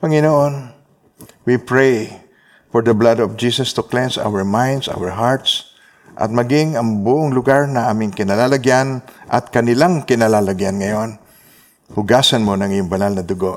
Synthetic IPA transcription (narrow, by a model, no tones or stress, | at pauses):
pɐŋɪnoʔon | wipɹej | fɔɹd̪ɐblad̪ɔfd͡ʒisɐst̪ʊklɛnsʔa̰wɛɹmãjnd̪sa̰wɛɹɦaɹt̪s | ʔɐ̰t̪̚mɐɡɪŋɐŋbʊʔoŋlʊɡaɹnɐʔaːmɪŋkɪnalalaɡjanʔɐ̰t̪̚kɐnɪlaŋkɪnalalaɡjanŋɐjon | hʊɡasanmonɐŋɪjʊŋbɐnalnɐd̪ʊɡoʔ